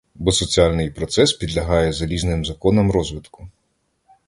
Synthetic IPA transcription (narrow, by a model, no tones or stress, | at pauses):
bɔsɔt͡sʲiɑlʲnɪjpɾɔt̪sɛspʲid̪lʲɐɦɑjɛzɐlʲiznɪmzɐkɔnɔmɾɔzʋɪt̪kʊ̥